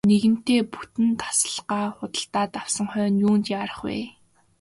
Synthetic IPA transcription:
neɣɘ̆n̥t̪eːpu̥t̪ɘ̆nt̪ḁsə̥̆ɮɢaːχʊt̪ə̆ɬt̪aːt̪awsə̆ŋχœːnjuːnt̪iaɾə̆χwḛː

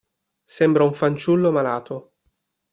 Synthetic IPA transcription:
sɛmbɾauɱfant͡ʃulːomalaːt̪o

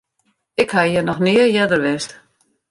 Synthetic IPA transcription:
ɪkhajɛnɔxnɪəjɛdərʋɛst

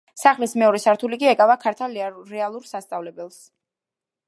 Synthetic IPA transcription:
saχlismɛɔɾɛsaɾt̪ʰulikʼiɛkʼavakʰaɾt̪ʰaɾɛalˠuɾsast̪sʼavlɛbɛlˠs

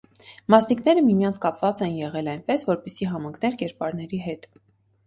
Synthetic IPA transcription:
mɑsnikn̪ɛɾəmimjɑnt͡sʰkɑpvɑt͡sɛnjɛʁɛlɑjnpɛsvɔɾpɛsiɦɑmɑŋkʰnɛɾkɛɾpɑɾnɛɾiɦɛt̪

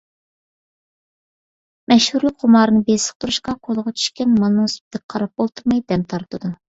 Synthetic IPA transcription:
mɛʃhuɾlˠɨk̚qomɑːɾɨnɨbesə̥χ̚t̪uɾuʃqɑqʰolˠəʁɑt͡ʃʰy̥ʃkʲɛnmɑnːɨŋsp̚d̪ɪk̚ʲqʰɑɾɑp̚bolˠt̪ʰuɾmɑjd̪ɛmt̪ʰɑɾt̪ʰɨd̪u

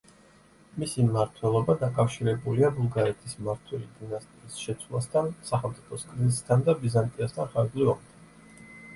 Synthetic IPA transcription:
misimaɾt̪ʰwɛlˠɔbad̪akʼafʃiɾɛbuliabulˠɡaɾɛt̪ʰismaɾt̪ʰwɛlid̪inast̪ʼiisʃɛt̪sʰwlˠast̪ʰansaχɛlˠmt̪ʼipʰɔskʼɾizis̬t̪ʰand̪abizant̪ʼiast̪ʰanχaɾzliɔmt̪ʰan

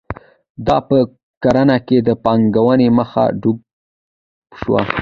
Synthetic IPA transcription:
d̪ɑpə | kaɾanaked̪əpɑŋɡawəneməxa̰ɖuɡ̚ | ʃwa̰

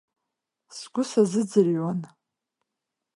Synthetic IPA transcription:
sɡʷʊsazɨd͡zɨrɥan

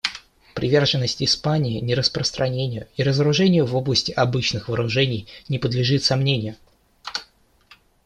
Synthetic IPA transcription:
pɾʲɪvʲe̞rʐɨnːəsʲtʲɪspanʲɪːnʲɪɾəspɾəst̪ɾʔɐnʲenʲɪjʊiɾəzəɾʊʐɛnʲɪjʊvo̞blˠəsʲtʲɪʔɐbɨt͡ɕnɨxvəːɾʊʐɛnʲɪjnʲɪpəd̪lʲɪʐɨt̪sɐmnʲenʲɪjʊ

